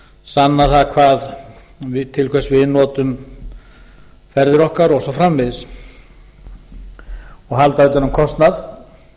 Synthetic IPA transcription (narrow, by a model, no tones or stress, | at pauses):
sanːaθaðkʰvaːð | vɪt̪ʰɪlkʰvɛsvɪɪnɔːt̪ʏm | fɛɾðɪɾɔhkaɾɔɣsɔfɾamvɪðɪs | ɔɣɦalt̪aɪt̪jɔnʏmkʰɔst̪nað